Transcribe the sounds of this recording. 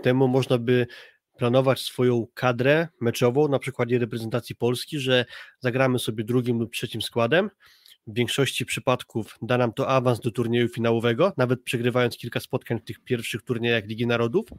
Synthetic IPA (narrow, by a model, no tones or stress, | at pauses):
t̪ɛmumɔʐnabɘ | plan̪ɔvat͡ɕsfɔjɔ̃w̃kʰad̪ɾɛmɛt͡ʂɔvɔ̃w̃napʂɘkwad̪ɛɾɛpɾɛzɛnt̪at̪sʲjipɔlskʲiʐɛzaɡɾamɘsɔbʲjɛd̪ɾuɡʲimlup̚tʂɛt͡ɕimskwad̪ɛm | vːʲjɛŋkʂɔɕt͡ɕipʂɘpat̪kʰuvd̪anamt̪ɔʔavanszd̪ɔt̪uɾɲejufʲinawɔvɛɡɔnavɛt̪̚pʂɛɡɾɘvajɔnt̪skʲilkaspɔt̪kaɲft̪ɘxpʲjɛɾfʂɘxt̪uɾɲejaxlʲiɡʲinaɾɔd̪uf